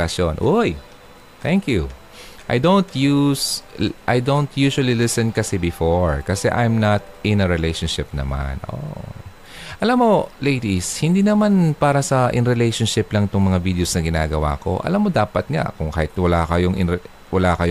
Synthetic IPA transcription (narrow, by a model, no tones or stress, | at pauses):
ɐsonʔoj | t̪ɛŋkju | ʔa̰jd̪õwnt̪jusʔajd̪ont̪juːʃwɐlilɪsɛnkɐsɛbɪfoɹkɐsɛ̰ʔajmnɐt̪̚ʔɪ̃nɐɹɪlejʃɐnʃɪp̚nɐ̰ma̰nʔo̰ʔ | ʔɐlamːo̞lejd̪ishɪnd̪iːnɐmanpaːɾɐsɐʔɪ̰nɾɪlejʃonʃɪplɐŋɪt̪ʊŋmɐŋavid̪eosnɐɡɪna̰ːɡɐwa̰ːko̞̰ʔɐ̰lamːod̪aːpɐt̪̚ŋa̰ʔkʊŋkaːhɪt̪̚wɐlaːkɐjoŋʔɪ̰n | wɐlaːkɐj